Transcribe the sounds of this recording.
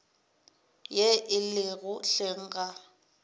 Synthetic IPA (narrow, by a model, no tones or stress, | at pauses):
jeʔɪlɪɣʊɬeŋ̩ːɣa